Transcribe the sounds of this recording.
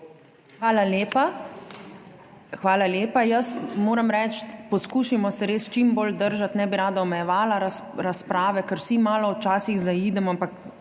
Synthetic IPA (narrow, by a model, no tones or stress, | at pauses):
xʋaːlaljeːpa | xʋaːlaljeːpajɐsmoːɾɛmɾɛːt͡ʃpɔskuːʃimɔsɛɾeːst͡ʃimboːld̪əɾʒat̪nɛbiɾaːd̪aɔmɛjɛʋaːlaɾ | ɾaspɾaːʋɛkɛɾwsimaːlɔwt͡ʃaːsiɣzaiːd̪ɛmɔampak